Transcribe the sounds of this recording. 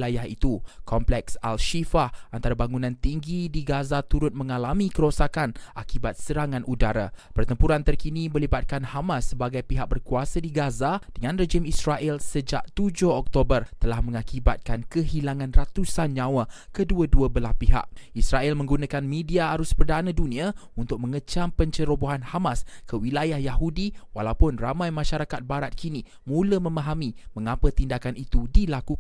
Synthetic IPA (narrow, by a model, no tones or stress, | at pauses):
lajaɦḭt̪ukɔmplɛksalʃifahʔant̪aɾabaŋunãnt̪iŋɡidiɡazat̪uɾʊt̪̚mə̃ŋalamĩkəɾosakanʔakibat̪̚səɾaŋãnʔudaɾa̰pərt̪əmpuɾant̪ərkiniməlibat̪̚kanhamãsːəbaɡajpiɦak̚bərkuasadiɡazad̥əŋãnrəd͡ʒimisɾaʔɛlsəd͡ʒa̰ʔ̚t̪ud͡ʒʊhɔk̚t̪obərt̪əlahmə̃ŋakibat̪̚kankəɦilaŋãnrat̪usanɲãwa | kəduəduəbəlahpiɦa̰ʔ̚ʔisɾaʔɛlmə̃ŋɡunãkanmĩdiaːɾʊspərdanãdunĩaunt̪ʊk̚mə̃ŋət͡ʃampəɲt͡ʃəɾoboɦanhamaskəwilajahjaɦudiwa̰lawpʊnramãjmãʃaɾakat̪̚baɾat̪̚kʰini | mũləmə̃mãɦamimə̃ŋapət̪indakanit̪udilaku